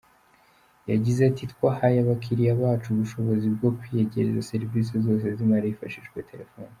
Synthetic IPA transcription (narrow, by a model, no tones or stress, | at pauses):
jaɟizatʰitkwahajaβakʰiɾijaβaːt͡ʃuβuʃo̞βo̞zibɡo̞kwijeɟe̞ɾezase̞ɾvis̬ezo̞ːs̬e̞zimaɾaifaʃiʃɡwe̞tʰe̞ɾe̞foːn